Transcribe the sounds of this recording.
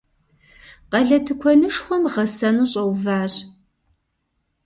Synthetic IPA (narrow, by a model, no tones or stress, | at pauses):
qɐɮɐtʰɨkʷʰɔnɨʂxʷɔmʁɐsɐnuːɕʼɐwvaːʑ